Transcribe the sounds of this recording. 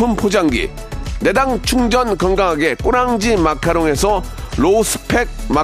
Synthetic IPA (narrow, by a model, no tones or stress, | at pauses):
ɯmpʰod͡ʑaŋɡḭ | ne̞daŋt͡ɕʰuŋd͡ʑʌnkʌŋɡaŋɦaɡe̞k͈uɾaŋd͡ʑimakʰaɾoŋe̞sʰʌlosʰɯ̥pʰe̞k̚ma